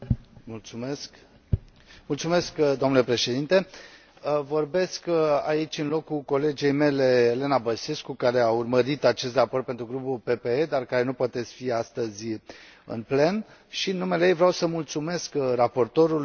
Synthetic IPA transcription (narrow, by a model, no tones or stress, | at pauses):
mult̪suesk | mult̪sume̞skd̪oomnule̞pɾe̞ʃe̞d̪int̪e̞ | vo̞rbe̞ska̰it͡ʃʲɨnlo̞kːuko̞le̞d͡ʒe̞jme̞le̞ːle̞nabəseskukaɾe̞aurməɾit̪at͡ʃe̞s̬t̪raprt̪̚pe̞nt̪ɾuɡɾupulpe̞pe̞ed̪arkaɾe̞nupoat̪et̪sfiast̪əzʲ | ɨ̰nple̞n | ʃiɨnːumelejejvɾeawsəmult̪sume̞skrapo̞rt̪o̞ɾul